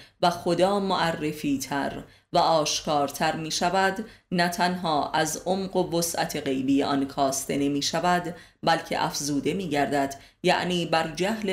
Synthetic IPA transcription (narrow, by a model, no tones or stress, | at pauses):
væxo̞d̪ɒːmoʔærːe̞fiːt̪ʰæ̰ɾ | væʔɒːʃkʰɒːɾt̪ʰæɾmiːʃævæd̪næt̪ʰænɦɒːʔæzʔomɢo̞vosʔæ̰t̪ʰe̞ɣe̞jbijeʔɒnkʰɒːst̪ʰe̞ne̞miːʃævæd̪bælcʰe̞̰ʔæ̰fzuːd̪e̞miːɟæɾd̪æd̪̥ | jæ̰ʔniːbæɾd͡ʒæhle